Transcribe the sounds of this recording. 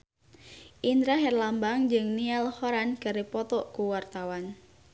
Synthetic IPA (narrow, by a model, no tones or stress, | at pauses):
ʔind̪ɾaɦɛrlambaŋd͡ʒɨŋnialhɔɾankaɾepɔt̪ɔʔkuwart̪awan